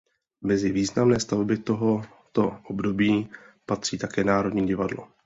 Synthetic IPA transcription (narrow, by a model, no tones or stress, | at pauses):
mɛzɪviːznamnɛːst̪avbɪt̪o̞ɦo̞ | t̪oʔobdo̞biːpat̪r̝̥iːt̪akɛːnaːɾo̞dɲiːɟɪvadlo̰